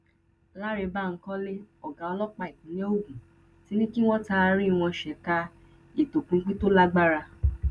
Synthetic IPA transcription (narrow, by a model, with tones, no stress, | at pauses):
la˦ɾe˧ba˦˨ŋ̩˦kɔ̃˦le˦ɔ˨ɡã˨˦ɔ˧lɔ˦k͡pa˧i˨kũ˨˦le˦o˦ɡũ˨ | ti˨˦nĩ˦ki˦w̃ɔ̃˦ta˦˧ɾĩ˦˧w̃ɔ̃˧ʃɛ˨ka˧ | e˨to˨kũ˧˦k͡pi˦to˦la˦ɡ͡ba˦ɾa˧